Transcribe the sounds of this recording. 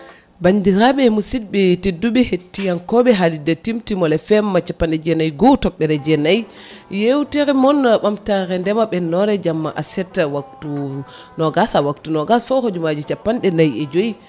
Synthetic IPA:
bandiɾaɓɛmusid̚bɛtedːuɓɛhetːijankɔɓɛɦalidatimtimɔlɛfɛmːat͡ʃapːanɗɛd͡ʒɛnajɡɔwtɔɓːɛɾɛd͡ʒɛnaj | jewtɛɾɛmɔnːɓamtaɾɛndɛmaɓɛnɔɾɛd͡ʒamːa̰ʔasɛtːawak̚tu | nɔɡasawaktunɔɡasfɔhod͡ʒumad͡ʒit͡ʃapːanɗɛnajɛd͡ʒoi

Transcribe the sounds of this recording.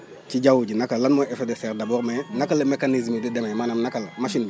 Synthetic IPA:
t͡ʃiɟawuɟinakalanmoefedefeɾdaboɾmenakalemekanizmididememanamnakalmaʃin

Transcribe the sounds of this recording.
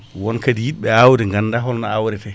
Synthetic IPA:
wɔnkadijiɗɓɛawɾɛŋɡanːdaɦɔlnaawɾɛtɛ

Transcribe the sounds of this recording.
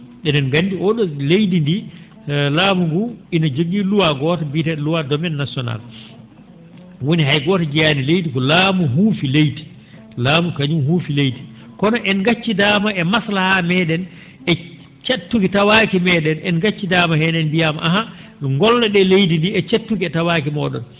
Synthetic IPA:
ɗɛnɛnɡandiɔɗɔlejdindi | laːmuŋɡuinad͡ʒoɡiluwaɡɔːtabitɛluwadɔmɛnːasiɔna̰l | woniɦajɡɔːtad͡ʒijanilejtikɔlaːmuɦuːfilejti̥ | laːmukaɲumhuːfilejti̥ | kɔnɔʔɛnɡat͡ʃːidaːmaɛmaslahamɛːɗɛn | ɛ | t͡ʃatːukitawaːkimɛːɗɛnɛnɡat͡ʃːidaːmahɛnɛnbijamaʔaɦa | ŋɡɔlːɔɗɛlejdindiɛt͡ʃatːukiɛtawaːkimɔɗɔ̰n

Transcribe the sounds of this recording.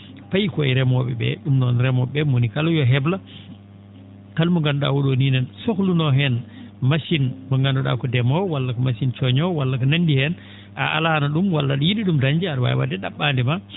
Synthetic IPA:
pajkɔɛɾɛmɔɓɛbɛ̰ɗumnɔnɾɛmɔɓɛmonikalɔjɔɦɛbla | kalmuŋɡandɔɗa̰woɗoninɛnsoklunɔɦɛn | maʃinmɔŋɡandɔɗa̰kɔdɛmɔwalːakɔmasint͡ʃɔɲɔwalːakɔnandihɛn | ʔa̰ʔa̰lanaɗumwalːaɗɔjiɗiɗumdaɲd͡ʒiaɾwa̰jwa̰dɛɗaɓːandɛma

